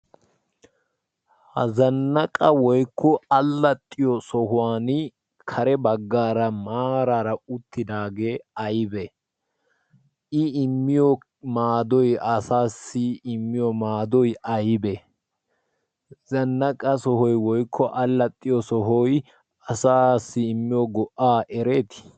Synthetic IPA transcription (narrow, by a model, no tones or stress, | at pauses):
hɐ̰zɐnːɐkʼɐwɔjkːɔɐlːɐt̪ʼːɪjɔsɔɦʊwaːn | kʰɐɾɛbɐɡːaːɾɐmaːɾaːɾɐʊt̪ːɪd̪aːɡeːɐjɪbɛ | ʔɪɪmːɪjɔ | maːd̪ɔjɐsaːsːɪɪmːɪjɔmaːd̪ɔjʔɐjbɛ | zɐnːɐkʼɐsɔhɔjwɔjkʰːɔʔɐlːɐt̪ʼːɪjɔsɔɦɔj | ɐsaːsːɪɪmːɪjɔɡɔʔaːʔɛɾe̞ːt̪ɪ̥